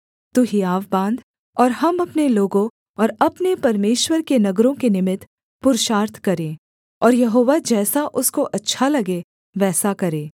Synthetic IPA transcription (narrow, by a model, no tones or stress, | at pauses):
t̪uɦiaːʋbãːnd̪ | ɔːɾɦɐmɐpneloːɡõ | ɔːɾɐpnepɐɾmeːʃwəɾkenɐɡɾõkenɪmɪt̪ | pʊɾʃaːɾt̪ʰkɐɾẽː | ɔːɾjɐɦoːʋad͡ʒɛːsaʔʊskoʔɐtːʃʰalɐɡe | ʋɛːsakɐɾẽː